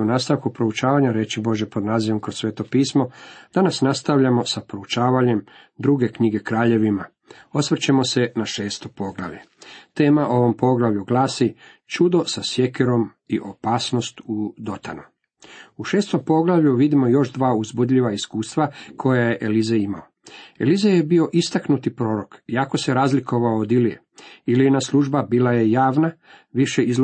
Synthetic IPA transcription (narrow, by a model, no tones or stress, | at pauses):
unaːst̪aʋkupɾo̞ut͡ʃaːʋaɲaɾe̞t͡ɕibo̞ʒjepo̞d̪naːziʋo̞mkɾosːʋe̞ːt̪o̞piːsmo̞d̪̥anasnast̪aʋʎamo̞sapɾo̞ut͡ʃaːʋaɲe̞m | d̪ɾuːɡe̞kɲiɡe̞kɾaːʎe̞ʋima | o̞sʋr̩t͡ɕemo̞se̞naʃe̞ːst̪o̞po̞ɡlˠa̰ʋʎḛ | t̪e̞ːmaʔo̞ʋo̞mpo̞ɡlˠaʋʎuɡlaːsit͡ʃud̪o̞sasje̞keɾo̞m | iʔo̞paːsno̞st̪ud̪o̞t̪a̰nu | uʃe̞ːst̪o̞mpo̞ɡlaʋʎuʋid̪imo̞jo̞ʃd̪ʋaːuzbud̪ʎiʋaiskuːst̪ʋakʰo̞jaje̞ʔelizeima̰oḛlizeje̞bio̞ʔist̪aknut̪ipɾo̞ːɾo̞kiako̞se̞ɾaːzliko̞ʋaoːd̪ilijḛ | ilienasluʒbabiːlaje̞jaːʋna | ʋiʃeiz